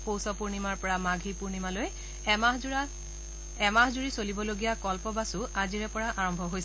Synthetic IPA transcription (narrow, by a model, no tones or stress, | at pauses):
powsɔpuɹnimaɹpɔɹamaɡʱipuɹnimaloj | a | ɛmaɦzuɹisolibɔloɡijakɔlpɔbasʊaziɹɛpɔɹaʔaɹɔmbʱɔɦojs